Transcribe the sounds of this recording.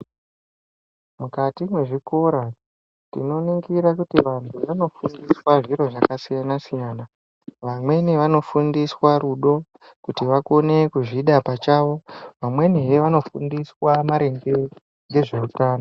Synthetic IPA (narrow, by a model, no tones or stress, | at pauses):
mukatimwe̞ʐiko̞ɾa | tḭno̞niŋɡiɾakutiʋantʰuʋano̞fundiswaʐiɾo̞ʐakasijanasijaːna | ʋamwe̞neʋano̞fundiswaɾuɗo̞ | kutiʋako̞ne̞kuʐiɗapat͡ʃaʋo̞ʋamwe̞nejeʋano̞fundiswamaɾe̞ŋɡe | ŋɡe̞ʐe̞utaːno